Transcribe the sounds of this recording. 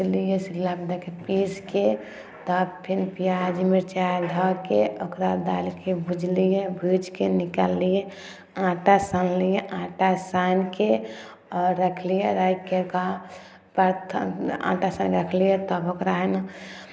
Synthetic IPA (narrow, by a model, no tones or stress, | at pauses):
slijesilabd̪ekepiske | t̪ɔbpʰinpijad͡ʒimiɾt͡ʃajd̪ʱɔkeokɾad̪alkebʱud͡ʒlijebʱid͡ʒkenikalːije | ãʈasanlijeʔãʈasanke | ɔɾːəkʰlijeɾaikeka | pəɾt̪ʰã̰ʈasanɾəkʰlijet̪ɔbokɾaɦn